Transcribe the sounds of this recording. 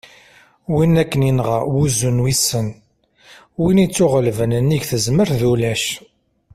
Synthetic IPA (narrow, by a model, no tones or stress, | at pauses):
winækːəninʁawuzunwisːən | winit͡sːʊʁəlvənənːiɡθəzməɾðulæʃ